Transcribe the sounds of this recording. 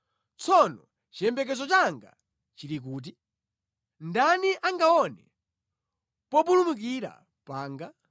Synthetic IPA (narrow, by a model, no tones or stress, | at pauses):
t͡sʰɔnɔ | t͡ʃiɛmbɛk̬ɛzɔt͡ʃaŋɡa | t͡ʃiɾik̬uːt̬i | ndaniʔaŋɡaɔnɛ | pɔp̬ulumuk̬iɾa̰ | paːŋɡa